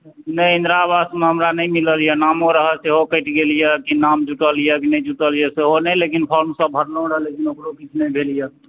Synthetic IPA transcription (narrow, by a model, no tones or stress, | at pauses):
nəjind̪ɾabasmeɦəmɾanəjmiləlijənamɦoɾəɦəseɦokəɪʈɡelijəkinamd͡ʒuʈəlijəkinəjd͡ʒuʈəlijəseɦonəjlekinpʰɔɾmsəbʱəɾnoɾəlekinokɾokit͡ʃʰnɛjbʱelijə